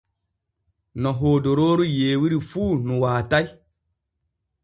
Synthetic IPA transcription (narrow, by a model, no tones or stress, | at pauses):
nɔɦoːdoɾoɾujeːwiɾifuːnũwaːtai